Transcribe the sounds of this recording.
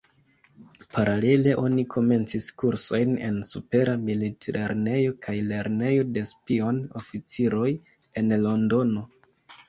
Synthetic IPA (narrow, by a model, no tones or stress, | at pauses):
pʰaɾale̞le̞ʔo̞nikʰo̞me̞nt͡siskuɾso̞jne̞̰nsupe̞ɾamilitɾeɾne̞jo̞kʰajle̞ɾne̞jo̞de̞spio̞no̞fit͡siɾo̞j | e̞nlo̞ndo̞no̞